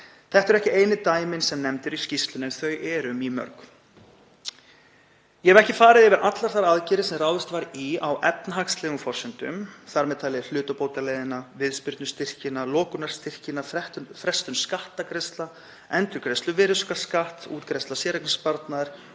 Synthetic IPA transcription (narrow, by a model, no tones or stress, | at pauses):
θɛht̪ɛɾɛhcɪeːjnɪt̪aːjmɪnsɛmnɛmt̪ɪɾiscist̪lʏnɛnθœɥɛɾʏmimœ̰ɾk | jɛhɛvɾɛhcɪfaːɾɪðɪvɪɾʔat̪laɾ̥θaɾaðcɪːɾɪsɛmraːwðɪst̪vaɾiawʔɛp̚naɦakst̪lɛːɣʏmfɔr̥sɪnt̪ʏ̰mθaɾmɛðt̪ʰajlɪðl̥ʏːt̪ʏpoːwt̪alɛjðɪnavɪðspɪɾt̪nʏst̪ɪr̥cɪnalɔːkʏnaɾ̥st̪ɪr̥cɪnafɛht̪fɾɛst̪ʏmskaht̪akɾɪst̪la | ɛnt̪ʏɾkɾɛst̪lʏvɪːɾʏskḁskaht̪ṵːt̪kɾɛst̪lasjɛːɾaknɪspaɾt̪naðɾ̥